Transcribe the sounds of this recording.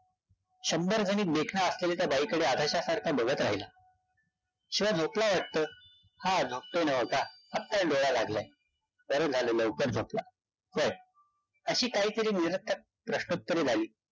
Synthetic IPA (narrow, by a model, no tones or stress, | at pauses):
ɕəmbəɾd͡zʱəniːt̪̚d̪ekʰnaəslelat̪jabaiːkəɽead̪ʱaɕasəɾkʰabəɡʱət̪ɾa̰ɦila | ɕĩʋad͡zʱoplaʋaʈ̚t̪əː | had͡zʱop̚t̪enəʋəɡaap̚t̪alɖoɭalaɡlaj | ʋəɾəd͡zʱaləːləwkəɾd͡zʱopla | fəj | əɕiːkaɦiːt̪əɾiːniɾət̪ʰək̚ | pɾəɕʈut̪̚kəɾed͡zʱaliː